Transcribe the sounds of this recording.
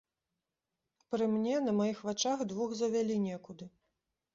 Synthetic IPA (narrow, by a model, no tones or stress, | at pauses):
pɾɨmnʲɛnɐmajixvat͡ʂaxd̪vuxzɐvʲalʲinʲɛkud̪ɨ